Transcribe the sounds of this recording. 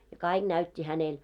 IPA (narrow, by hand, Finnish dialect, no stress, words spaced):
jɑ kɑˑiɡ̊ næytʲːi hænel